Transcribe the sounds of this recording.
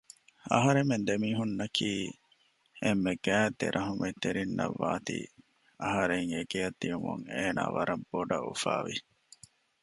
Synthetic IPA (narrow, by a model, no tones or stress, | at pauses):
ɐ̰ɦɐɾemend̪emiːɦunːɐkʰiː | emːeɡ̥æːt̪ːeɾʔɐɦumet̪eɾinːɐ̰ʋːaːt̪ḭ | ɐɦɐɾeŋeɡejɐd̪ijumuŋeːna̰ːʋɐɾɐbːoɖɐṵfaːʋi